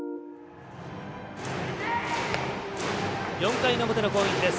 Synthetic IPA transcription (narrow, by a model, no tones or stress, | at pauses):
jõŋkainomot̪enokoːikʲid̪es